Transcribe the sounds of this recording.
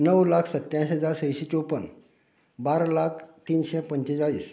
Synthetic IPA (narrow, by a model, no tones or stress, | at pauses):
nəwlakʰsət̪jãɕɦəd͡zaɾsəjɕet͡ɕopən | baɾlakʰt̪iːnɕɛpəɲt͡ɕet͡saɭḭːs